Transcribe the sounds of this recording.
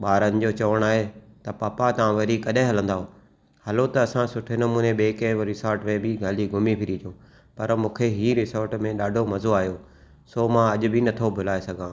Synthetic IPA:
ɓaːɾənɪ̆d͡ʑoːt͡ɕɐʋəɽ̃aːɦet̪ɐpaːpat̪ɐʋãʋɐɾikɐɗẽɦɐlə̃nd̪aːɦo | hɐlot̪ɐɐsãsʊʈʰenɐmuːneɓeːkẽɾɪsaːɾʈmẽbɪɡʱaːliɡʱʊmipʰɪɾiːd͡ʒ̪õː | pɐɾmũːkʰeɦiːɾɪsoːɾʈmẽɗaːɖʱomɐzoaːjoː | soːmãɐʄʊ̆bʱɪnɐt̪ʰobʱʊlaːesɐɡʱãː

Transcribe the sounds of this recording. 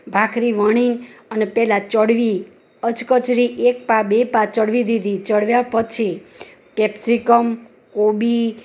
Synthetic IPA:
bʱakɾiʋəɽ̃iŋənepɛlat͡ʃəɽʋi | ət͡ʃkət͡ʃɾiʔek̚pabepat͡ʃəɽʋid̪id̪ʱit͡ʃəɽʋjapət͡ʃʰi | kɛpsikəm | kobi

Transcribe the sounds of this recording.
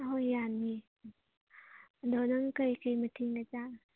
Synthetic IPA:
ɦojːanmi | dɔnɐŋkəjkəjmətʰiŋat͡ʃa

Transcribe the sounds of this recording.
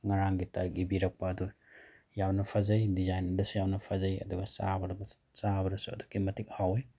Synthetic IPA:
ŋaɾaŋɡitɐɾik̚ibiɾɐk̚paːdu | jawnɐpʰazajdizajnɐdɐsujawnɐpʰazajɐ̰duɡɐsa̰bɐɾbɐ | sabɐɾɐsuɐ̰dukːimɐtik̚hawej

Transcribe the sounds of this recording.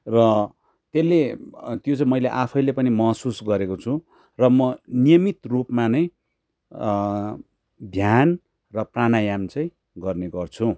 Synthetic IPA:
rʌ | t̪elːet̪jot͡saĩmʌjleʔapʰʌjlepʌnimʌɦsusɡʌɾekot͡sʰu | rʌmʌnijʌmit̪rupmanʌj̃ | d̪ʱjan | rʌpranajamt͡sʌj̃ | ɡʌrneɡʌrt͡sʰũ

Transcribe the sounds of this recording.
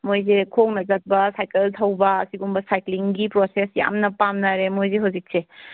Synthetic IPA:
mojzekʰoŋnɐzɐt̚bɐsajkeltʰɐwbɐːsiɡumbɐsajkliŋɡipɾosesja̰mnɐpamnɐɾemojzeɦawzik̚se

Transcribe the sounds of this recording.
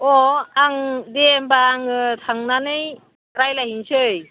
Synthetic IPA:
ɔaŋdembaːŋɯtʰaŋnanɯj | ɾajlahinsɯj

